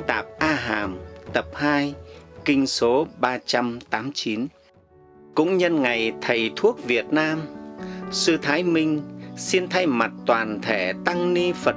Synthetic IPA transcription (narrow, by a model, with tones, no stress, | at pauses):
t̪aː˨˩p̚ʔaː˧ɦaː˨˩mt̪ə˨˩p̚haː˧jkï˧ŋ̟so˨˦ɓaː˧t͡ɕa˧mt̪aː˨˦mt͡ɕi˨˦n | kʊ̰˧˥ŋ͡mɲə˧nŋa˨˩jt̪ʰə˨˩jt̪ʰu˦˥ək̚vi˨˩ət̚naː˧m | sɨ˧t̪ʰaː˨˦jmï˧ŋ̟si˧nt̪ʰa˧jma˨˩t̚t̪waː˨˩nt̪ʰe˧˩t̪a˧ŋni˧fə˨˩